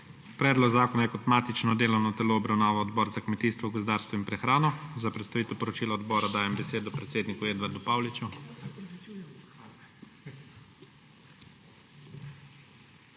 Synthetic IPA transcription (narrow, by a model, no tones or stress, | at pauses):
pɾɛːd̪lɔɡzaːkɔnajɛkɔt̪maːt̪it͡ʃnɔd̪eːlɔwnɔt̪ɛloɔbɾawnaːʋaɔd̪bɔːɾzakmɛt̪iːst̪ʋɔɡɔzd̪aːɾst̪ʋɔimpɾɛxɾaːnɔzapɾɛt̪st̪aʋit̪ɛwpɔɾɔt͡ʃiːlaɔd̪bɔːɾad̪aːjɛmbɛseːd̪ɔpɾɛt̪seːd̪nikueːd̪ʋaɾd̪upaːwlit͡ʃu